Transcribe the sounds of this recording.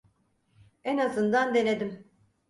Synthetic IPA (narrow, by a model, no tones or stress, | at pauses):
ɛnazɯnd̪and̪e̞ned̪im